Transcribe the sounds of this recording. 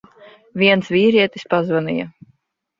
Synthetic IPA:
viɛnsvʲiːɾiɛt̪i̥spazvanḭja̰

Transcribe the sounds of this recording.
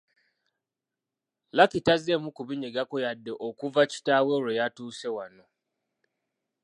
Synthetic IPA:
lakitazemukuβiɲeɡakojadːeʔokuvaci̥taweɾejatuːse̞wano

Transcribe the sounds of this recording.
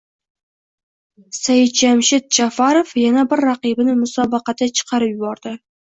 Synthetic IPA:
sajɪd̪̚d͡ʒamʃɪt̪̚d͡ʒafaɾofjanabɪɾːɑqibɪnɪmʊsɒbɑqɑt̪ʰat͡ʃʰɨ̥qʰɑɾɪpjʊbɒɾd̪ɪ

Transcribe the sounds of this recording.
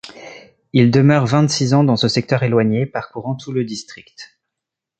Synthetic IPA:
ild̪əmœʁvɛ̃t̪sizɑ̃d̪ɑ̃səsɛk̚t̪œʁelwaɲepaʁkuʁɑ̃t̪ʰuləd̪ist̪χikt̪

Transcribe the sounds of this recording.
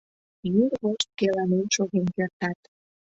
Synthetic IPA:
juɾɣoʃt̪̚kelɑnenʃoɣenkert̪ɑt̪

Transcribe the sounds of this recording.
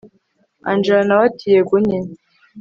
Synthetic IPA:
a̰nd͡ʒanawatʰijeɡuɲin

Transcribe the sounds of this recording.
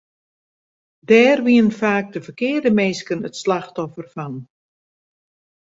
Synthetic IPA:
dɛːrʋiənfaːk̚dəfərkɪːrdəmeːskənətslaxtɔfərfɑn

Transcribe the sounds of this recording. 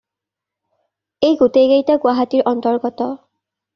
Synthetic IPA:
ejɡuteɡejtaɡwaɦatiɹʔɔntɔɹɡɔtɔ

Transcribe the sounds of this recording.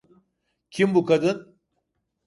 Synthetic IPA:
kʰimbukɐd̪ɨn

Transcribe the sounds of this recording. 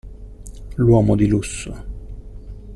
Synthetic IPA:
lwɔːmod̪ilusːo

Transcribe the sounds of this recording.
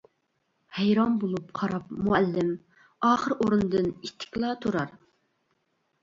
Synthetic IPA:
hɛjɾɑmbolˠup̚qʰɑɾɑp̚muælːɪm | ɑːχəɾoɾund̪ɨnit̪ʰːɪ̥kʲlˠɑt̪ʰoɾɑɾ

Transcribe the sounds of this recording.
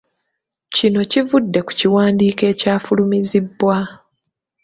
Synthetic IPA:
cino̞civudːe̞ku̥ciwaːndiːke̞ːcaːfulumizibːwa

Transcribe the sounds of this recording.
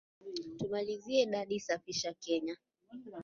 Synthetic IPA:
tumaliziɛiɗaɗisafiʃakɛɲa

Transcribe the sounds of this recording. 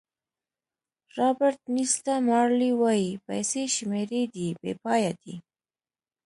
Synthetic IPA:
ɾɑbɪɾt̪nist̪amɑɾliwɑjipa̰jseʃmeɾed̪ibḛpɑjad̪ḭ

